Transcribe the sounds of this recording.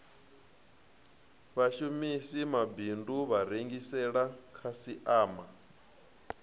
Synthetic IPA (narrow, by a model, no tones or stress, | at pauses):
βaʃumisimabinduβaɾeŋɡisɛɺakʰasiʔaːma